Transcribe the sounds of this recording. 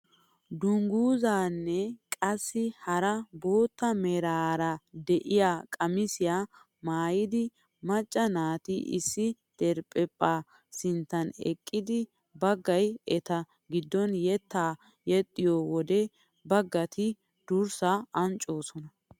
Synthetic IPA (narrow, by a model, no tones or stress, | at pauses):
d̪ʊŋɡuːzaːnːɛkʼɐsːɪhɐɾɐbo̞ːt̪ːɐmɛɾaːɾɐd̪ɛʔɪjaːkʼɐmɪsɪjaː | maːjɪd̪ɪ | mɐt͡ʃʼːɐnaːt̪ɪʔɪ̰sːɪd̪̥ɛɾpʼːɛpʼːaː | sɪnt̪ːɐnɛ̰kʼːɪd̪ɪ | bɐɡːɐjɛt̪ɐ | ɡɪd̪ːɔnjɛt̪ːaː | jɛt̪ʼːɪjowɔd̪ɛ | bɐɡːɐt̪ɪ | d̪̥ʊɾsaɐnt͡ʃʼo̞ːsɔnɐ